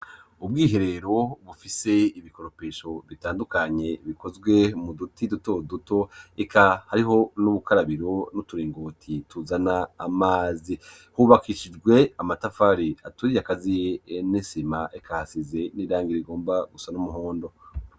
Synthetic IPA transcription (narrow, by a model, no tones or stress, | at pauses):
ubɡiːɦe̞ɾe̞ɾo̞βufise̞iβiko̞ɾo̞peʃo̞βitaːndukaɲe̞βikʰo̞zɡwe̞mudutidutoduto̞ekʰahaɾiɦo̞nuβukaɾaβiɾo̞nutuɾiːŋɡotʰituzanaːmaːzi | huβakʰiʃid͡ʒɡwe̞amatafaɾiatuɾijakazijenisimaʔekʰahasize̞niːɾaːŋɡiɾeiɡo̞ːmbaɡusanumuɦoːndo̞